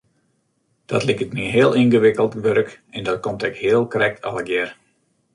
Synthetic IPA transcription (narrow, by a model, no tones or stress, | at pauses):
d̥ɔ̰tlikətmiɦɪəlˠinɣəʋɪkəlˠtʋøɾək | ɛndɔt̚komtɛkhɪəlˠkrɛk̚tʰɑ̰lˠəɡjɛr